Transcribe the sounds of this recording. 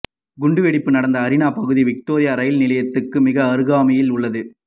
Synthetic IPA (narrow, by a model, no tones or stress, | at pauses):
ɡʊɳɖɯʋɛɽɪpːɯnɐɽɐnd̪ɐːɾɪnaːpɐɣɯðiʋɪk̚ʈoːɾɪjaɾɐjɪlnɪlɐjɐt̪ːɯkːɯmɪɣɐɐɾɯɣaːmɐjɪlʊɭːɐðɯ